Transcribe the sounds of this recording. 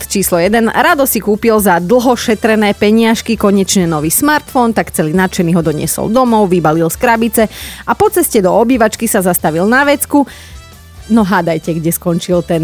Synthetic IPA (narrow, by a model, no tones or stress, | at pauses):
t͡ʃiːslɔjɛd̪ɛnɾad̪ɔsikuːpilzad̪l̩ˠɦɔʃɛt̪ɾɛnɛːpɛɲɪaʃkikɔɲɛt͡ʃɲɛnɔʋiːsmaɾt̪fɔnt̪akt͡sɛliːnat͡ʃɛniːɦɔd̪ɔɲɪɛ̰sɔ̰ld̪ɔmɔʊʋibalilskɾabit͡sɛapɔt͡sɛscɛd̪ɔɔbiːʋat͡ʃkisazast̪aʋilnaʋɛt͡sku | nɔɦad̪ajcɛɡɟɛskɔnt͡ʃilt̪ɛn